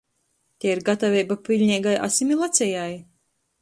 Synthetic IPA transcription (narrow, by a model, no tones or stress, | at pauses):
t̪ʲɛiɾɡat̪avʲɛjbapʲilʲɲʲɛːɡajʔa̰sʲimʲilˠat̪sʲɛjaj